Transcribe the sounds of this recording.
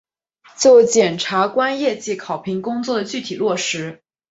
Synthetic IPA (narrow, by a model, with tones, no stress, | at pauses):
t͡ɕjo˥˩ʊt͡ɕjɛ˨˩nʈ͡ʂʰa˧˥kwa˥njɛ˥˧t͡ɕi˥˩kʰɑ˨˩ʊpʰi˧˥ŋkʊ˥ŋt͡swɔ˥˩d̪ə˩t͡ɕy˥˩t̪ʰi˨˩lwɔ˥˩ʂɻ̩˧˥